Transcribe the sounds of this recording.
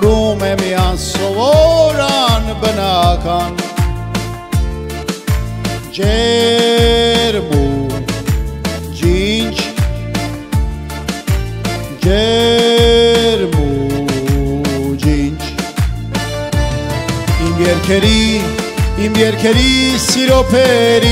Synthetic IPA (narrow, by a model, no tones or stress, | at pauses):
ɾuːmemijaːnsoʋoɾanbənakʰaːn | d͡ʒe | ɾmu | d͡ʒint͡ʃ | d͡ʒe | ɾmu | d͡ʒint͡ʃ | imjɛɾkʰeɾi | imjɛɾkʰeɾisiɾopʰeɾi